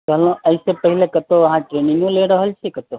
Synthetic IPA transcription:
kəlõəlsepəɦilekət̪oɐɦãʈɾenĩŋɡũleɾəɦəlt͡ʃʰekət̪o

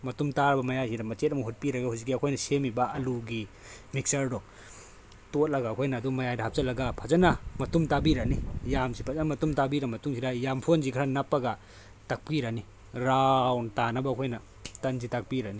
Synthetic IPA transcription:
mɐtumtaɾbɐmɐjajsidamɐt͡ʃet̚amɐɦut̚piɾaɡahuzik̬iakʰɔjnasemibaːluɡi | mik̚sɐɾdɔ | tot̚lɐɡakʰɔjnaːdumɐjajdaɦap̚salɐɡapʰazanamɐtumtabiɾanijamsipʰazanamɐtumtabiɾamɐtuŋsʰidajampʰonzikʰɾanapːaɡa | tak̚piɾani | ɾawntanabakʰɔjna | tɐnzitak̚piɾani

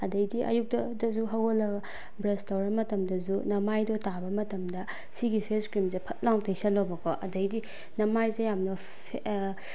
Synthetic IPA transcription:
ɐdɐjdiʔɐ̰juk̚tɐdɐzuɦɐwolːɐɡɐ | bɾestawɾɐmɐtɐmdɐzunɐmajdɔtabɐmɐtɐmdɐ | siɡipʰeskɾimzepʰɐt̚lawtʰejsɐlːobɐkʰɔʔɐdɐjdi | nɐmajzejamnɐ | pʰe

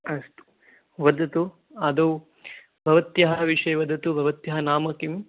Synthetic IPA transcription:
ɐst̪u̥ | ʋɐd̪ʱɐt̪u | ɐd̪ɐw | bʱɐʋɐt̪jɐɦɐʋiʂɐjʋɐd̪ʱɐt̪ubʱɐʋɐt̪jɐɦɐnaːmɐkim

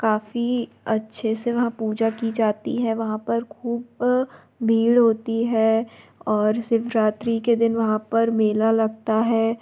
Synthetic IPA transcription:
kaːfi | ɐtːʃʰeseʋɐɦãpuːd͡ʒakid͡ʒaːt̪ḭɦɛʋɐɦãpɐɾkʰuːb | miːɽɦoːt̪iɦɛːɔːɾsɪʋɾaːt̪ɾiked̪ɪnʋɐɦãpɐɾmeːlalɐɡt̪aɦɛː

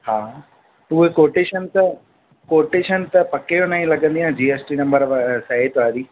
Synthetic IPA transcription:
hãː | t̪uʋekoːɾʈeːʃɐnt̪ɐ | koːʈeːʃɐnt̪ɐpɐkːeːjonɐĩlɐɡɐnd̪ijãːd͡ʒiːesʈiːnɐmbɐɾʋɐsɐɦeːʈ̪ʋaːd̪i

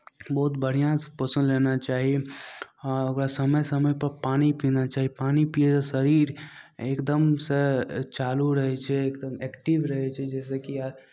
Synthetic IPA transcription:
bɔːt̪bəɽ̤ijãspəsə̃nd̪lenat͡ʃaːɦie | ɾəɡɾasəməjsəməjpəɾpaːnipinat͡ʃaːɦiepaːnipied͡ʒasəɾiːɾekd̪əmset͡ʃaːluɾəɦɛt͡ʃʰɛːkd̪əmɛːkʈiʋɾəɦɛt͡ʃʰɛd͡ʒɛːs̬ekiaɾ

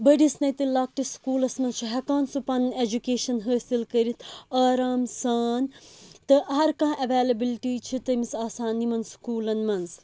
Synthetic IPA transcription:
bɐɖisnɐjt̪ɨlaːk̚ʈiskuːlɐsmɐnzt͡ʃʰiɦɛkaːnsupɐned͡ʒukeːʃɐnɦəːsilkɐɾit̪ʰaːɾaːmsaːnt̪ɨɦɐɾkãːʔɐʋeːlɐbilʈiːt͡ʃʰit̪ɐmisaːsaːnːimɐnskuːlɐnmɐnz

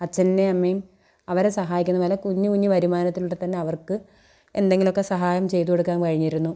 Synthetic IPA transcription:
ɐt͡ɕːɐnnːeɐmːejum | ɐʋɐɾesɐɦaːjikʲunːɐʋɐːlɐkːuɲːukuɲːuʋɐɾimaːnɐt̪ːiluɭʈet̪ɐnːe̞ɐʋɐrkɨ | e̞̰nd̪e̞ŋɡilo̞kːe̞sɐɦaːjɐmt͡ɕe̞jt̪uke̞ɽukːaːnkɐɻiɲːiɾunːu

